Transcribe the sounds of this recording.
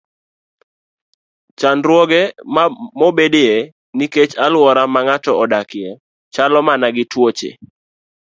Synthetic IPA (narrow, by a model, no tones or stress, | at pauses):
t͡ʃanɾwɔɡɛmmobedee | niket͡ʃalwɔɾamaŋatɔɔdakɪɛ | t͡ʃalɔmanaɡɪtwot͡ʃḛ